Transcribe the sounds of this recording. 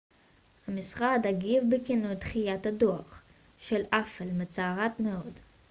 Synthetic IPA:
hamisχadaɡivbekinut̪χijatadoaχ | ʃelafelmet͡saːʁatmeod

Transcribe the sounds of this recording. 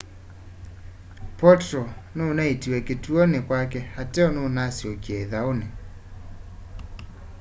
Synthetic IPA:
pɔtɾɔnonaetiwɛketuɔnekwakɛhatɛɔnoːnasiɔkiɛðaone

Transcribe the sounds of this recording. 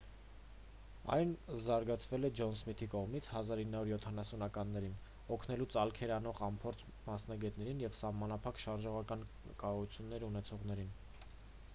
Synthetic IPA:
ɑ̰jnzɑɾɡɑt͡sʰvɛlɛd͡ʒɔnsmit̪ʰikɔʁmit͡sʰhɑzɑɾinːɑuɾjɔt̪ʰɑnɑsunɑkɑnːɛɾin | ɔkʰnɛlut͡sɑlkʰɛɾɑnɔʁɑmpʰɔɾt͡sʰ | mɑsn̪ɑɡɛt̪nɛɾinjɛvsɑhmɑnɑpʰɑkʃɑɾʒɔʁɑkɑn | kɑrut͡sʰjunːɛɾunɛt͡sʰɔʁnɛɾin

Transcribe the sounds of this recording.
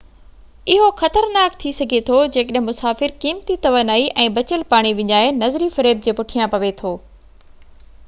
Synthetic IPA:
ɪɦoxɐt̪əɾnaːkt̪ʰisɐɡʱet̪ʰod͡ʑeːkəɗɦɪ̃mʊsaːfɪɾkiːmt̪it̪ɐʋənaːiʔɛ̃ːbɐt͡ɕəlpaːɽ̃iʋɪɲaːenɐzɾifɐɾeːb̚d͡ʑeːpʊʈʰijãpɐʋet̪ʰoː

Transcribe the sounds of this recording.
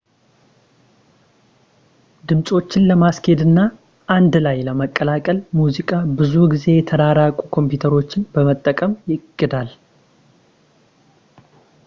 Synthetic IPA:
d̪ɨmsʼo̞t͡ʃːɪnləmaskʰe̞d̪ɨnːa | ʔand̪lajləməkʼːəlakʼəlmuzikʼabɨzuɡize̞jɛt̪ʰəd̪aɾakʼukʰo̞mpjut̪ʰəɾo̞t͡ʃːɪnbəmət̪ʼːəkʼəmjɪkʼːɨd̪al

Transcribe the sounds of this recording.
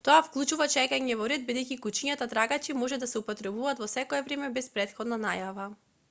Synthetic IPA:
t̪ɔafklˠut͡ʃuvat͡ʃɛkaɲɛvɔɾɛd̪̚bid̪ɛjcikut͡ʃiɲat̪at̪ɾaɡat͡ʃimɔʒɛd̪asɛupɔt̪ɾɛbuvaːt̪vɔsɛkɔɛvɾɛmɛbɛspɾɛt̪xɔd̪nanajava

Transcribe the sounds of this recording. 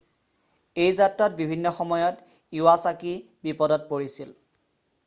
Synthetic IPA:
ejzatɹat̚bibʱinːɔxɔmɔjɔt | iwasaki | bipɔdɔt̚poɹisil

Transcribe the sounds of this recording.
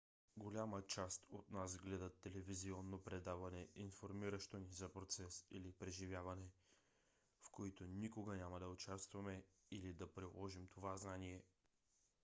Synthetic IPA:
ɡolʲamət͡ʃast̪ot̪nas̬ɡlɛd̪ɐt̪ːɛlɛviziɔnːopɾɛd̪avɐnɛinfoɾmiɾəʃt̪onizɐpɾot̪sɛsḭlipɾɛʒivʲjavɐnɛ | fkoit̪onikoɡənʲamɐd̪ɐʊt͡ʃast̪vɐmɛilid̪ɐpɾilˠɔʒimt̪ʰovaznaniɛ

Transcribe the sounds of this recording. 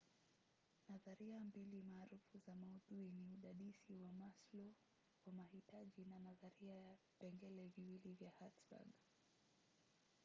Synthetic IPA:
naðaɾiambilimaːɾufuzamauðuiniuɗaɗisiwamaslɔ | wamahitaʄinanaðaɾia | pɛŋɡɛlɛviwilivjahatsba̰ɡ

